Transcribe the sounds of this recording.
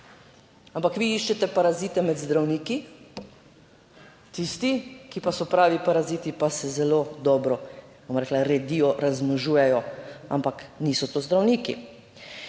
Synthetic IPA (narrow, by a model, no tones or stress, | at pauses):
ampakʋiiʃt͡ʃɛt̪ɛpaɾaziːt̪ɛmɛd̪zd̪ɾawniːki | t̪ist̪ikipasɔpɾaːʋipaɾaziːt̪ipasɛzɛlod̪ɔːbɾɔbomɾɛːklaɾɛd̪ijɔɾazmnɔʒuːjɛjɔa̰mpakniːsɔt̪ozd̪ɾawniːkḭ